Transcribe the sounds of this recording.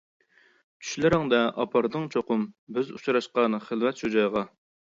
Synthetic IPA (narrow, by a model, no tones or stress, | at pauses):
t͡ʃʰy̥ʃlɪɾɪŋd̪ɛʔɑpʰɑɾd̪ɨŋt͡ʃʰoqʊmbɪzṵt͡ʃʰɾɑʃqɑnɨχəlvɛt̪ʃud͡ʒɑjʁɑ